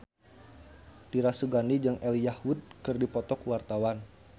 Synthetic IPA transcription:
d̥iɾasuɡanid͡ʒɨŋʔɛlijahud̚kɨrdipɔt̪ɔkuwart̪awan

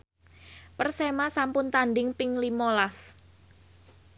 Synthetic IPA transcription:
pərsemasampʊnt̪anɖɪŋpɪŋlimolas

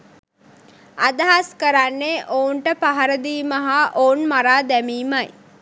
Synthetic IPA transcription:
ad̪aɦaskəɾanːeʔouɳʈəpaɦaɾəd̪iːməɦaʔounmaɾaːd̪æmiːmaj

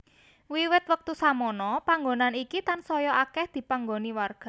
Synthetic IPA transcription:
wiwɪt̪̚wək̚t̪usamɔnɔpaŋɡonanikit̪ansɔjɔʔakɛhd̪̥i̤paŋɡoniwarɡ̥a̤

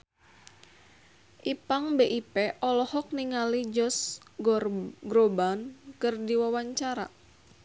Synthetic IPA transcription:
ʔipaŋbeʔipeʔɔlɔhɔk̚niŋalid͡ʒɔsɡɡɾobankɨrdiwawaɲt͡ʃaɾa̰

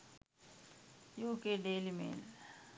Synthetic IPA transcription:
juːkeɖeːlimḛːl

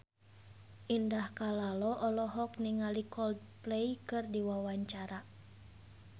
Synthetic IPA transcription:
ʔindahkalalɔʔɔlɔɦɔk̚niŋalikɔld | pleikɨrdiwawaɲt͡ʃaɾa

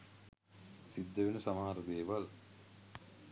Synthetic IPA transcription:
sid̪ːəʋenəsamaːaɾəd̪eːʋal

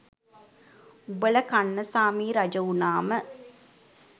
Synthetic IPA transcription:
ubələkanːəsaːmiːɾad͡ʒəunaːmə

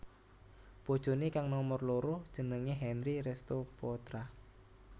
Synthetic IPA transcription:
pod̥ʒ̥o̤nikaŋnɔmɔrloɾʊhd̥ʒ̥ənəŋeɦɛnɾiɾɛst̪opɔt̪ɾa

